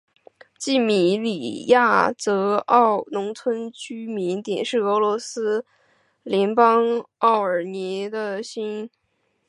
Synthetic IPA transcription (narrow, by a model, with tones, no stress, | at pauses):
t͡ɕi˥˩mi˨˥˩li˨˩ja˥˩t͡sɤ˧˥ɑ˥˩ʊnʊ˧˥ŋt͡sʰwə˥nt͡ɕy˥mi˧˥nt̪jɛ̰˨˩nʂɻ̩˥˩ɤ˧˥lwɔ˧˥sɹ̩˥ | ljɛ˧˥npɑ˥ŋɑ˥˩ʊə˞˨˩njɛ˧˥d̪ə˧ɕi˥n